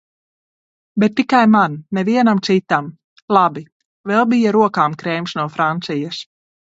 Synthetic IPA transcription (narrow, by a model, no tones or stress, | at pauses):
bet̪ːikajmanːeviɛnamt̪sit̪am | lˠabi | vɛlˠbijaɾuɔkaːmkɾɛjmsnuɔfɾant̪sijas